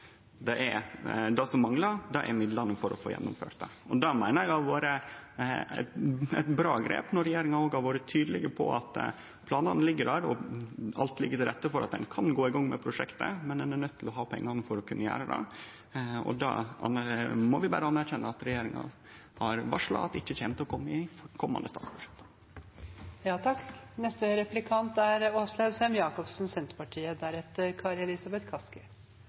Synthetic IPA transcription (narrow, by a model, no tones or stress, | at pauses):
d̪ɛʔæɾd̪ɑsɔmːɑŋlɑd̪ɑʔɛ̰ɾmɪd̪lɑnəfɔɾɔ̰fo̰ːjɛ̰nːʊmfø̰ːʈ̪d̪ɛ̰ɔd̪ɑmæɪnəɾɑʋʋɑːɾə | æ̰t̪ɛ̰t̪bɾɑːɡɾḛːpnɔɾɛjeːɾɪŋɑnoːɡhɑɾʋoːɾət̪ʰyːd̪əlɪɡəpʰɔ̰ɑt̪ | pʰlɑːnɑnəlɪɡːəd̪æːɾɔɑlt̪lɪɡːət̪ɪɾɛt̪ːəfɔɾʔɑt̪̚d̪ɛ̰nkʰɑnɡoːɪɡɑŋːmɛpʰɾʊʂɛkt̪ə̰mɛnd̪ɛnænœt̪ʰːɪlɔɦɑːpʰɛ̰ŋːɑnəfɔɾɔkʰʉnːəjæ̰ːɾəd̪ɛ̰ | ɔ̰d̪ɑ̰ɑ̰nmɔʋɪbæ̰ːɾəɑnːæɾçɛnːəɑt̪ɾɛjeːɾɪŋɑ̰ | hɑɾʋɑʂɭɑ̰ɑt̪ɪçːəçɛːmt̪ɔkʰɔmːɪfɔkʰɔmːɑ̰nd̪əst̪ɑːt̪sbʉʂɛ̥k̚t̪ | jɑːt̪ʰɑkːnɛst̪əɾɛplɪkʰɑnt̪æɾoslɑʉsɛmjɑːkɔpsn̩sɛnt̪pɑʈʰiːəd̪æɾɛt̪əɾkʰɑɾɛlɪsɑbɛt̪kʰɑskə